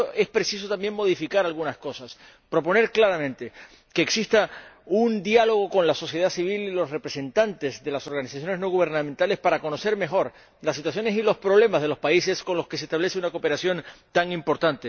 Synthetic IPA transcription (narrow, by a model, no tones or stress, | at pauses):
ʔe̞spɾe̞sis̬ot̪ambje̞ŋmo̞ð̞ifikaɾalɣunasko̞sas | pɾo̞p̬o̞ne̞ɾklaɾamẽnt̪e̞ | ke̞ːksist̪aund̪jalo̞ɣ̞o̞ko̞nlaso̞sje̞ð̞asiβ̞ililo̞sre̞pɾe̞se̞nt̪ant̪e̞zðe̞laso̞ɾɣanisasjone̞znoɣ̞uβ̞e̞ɾnãmẽnt̪ale̞spaɾako̞no̞se̞ɾme̞xo̞ɾ | lasit̪was̬jo̞nesilo̞spɾo̞β̞le̞mazðelo̞spaise̞sko̞nlo̞ske̞sest̪aβle̞seunakope̞ɾasjo̞nt̪aŋimpo̞ɾt̪ant̪e